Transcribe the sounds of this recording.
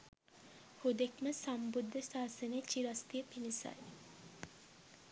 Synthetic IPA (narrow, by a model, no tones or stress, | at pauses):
hod̪ekməsambud̪ʱːəsaːsənet͡ʃiɾast̪ijəpinisa̰j